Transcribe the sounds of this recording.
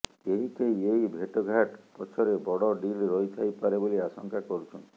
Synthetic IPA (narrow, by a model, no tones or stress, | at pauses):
eɦik̪ʰejejbʱeʈɔɡʱaʈpɔt͡ʃʰɔɾebɔɽɔɖilɾɔjt̪ʰajpaɾeboliasɔŋkakɔɾut͡ʃʰɔnt̪i̥